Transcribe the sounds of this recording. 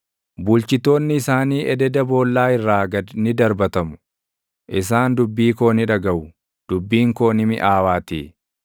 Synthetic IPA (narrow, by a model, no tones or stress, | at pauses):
bʊlt͡ʃɪt̪ːo̞ːnːɪːsaːniːʔɛd̪ɛd̪ɐbo̞ːlːaːɪrːaːɡɐnɪd̪ɐɾbɐt̪ɐmʊ̥ | ʔɪs̬aːnd̪ʊbːiːko̞ːnɪᶑɐɡɐʔʊ | d̪̥ʊbːiːŋko̞ːnɪmɪ̰ʔaːwaːt̪ḭː